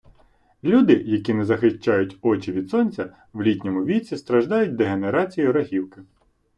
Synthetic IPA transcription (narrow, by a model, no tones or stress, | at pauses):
lʲud̪ɪjɐkʲinɛzɐxɪʃt͡ʃːɑjʊtʲɔt͡ʃiʋʲid̪sɔnʲt͡sʲɐ | ʋlʲitʲnʲɔmʊʋʲit͡sʲist̪ɾɐʒd̪ɑjʊtʲd̪eɦeneɾɑt͡sʲijʊɾɐɦʲiwkɪ